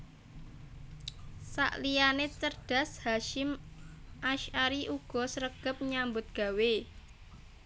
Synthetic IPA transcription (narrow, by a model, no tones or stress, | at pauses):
sa̰ʔlijanet͡ʃərd̥a̤shaʃɪmʔaʃaɾiʔuɡ̥ɔ̤səɾəɡ̥ə̤p̚ɲambʊt̪̚ɡ̥a̤we